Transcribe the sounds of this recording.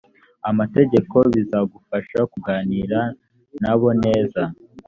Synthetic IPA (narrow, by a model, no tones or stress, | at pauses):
amate̞ɟe̞ko̞βizaɡufaʃakuɡaːniːɾa | naβo̞ne̞ːza